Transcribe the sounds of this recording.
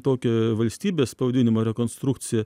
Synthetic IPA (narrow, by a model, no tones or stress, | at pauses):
t̪oːkʲɛʋɐlʲsʲt̪ʲiːbʲeːsspɐʊd̪ʲɪnʲɪmɐːɾʲɛkoːnst̪ɾukt̪sʲɪjɛ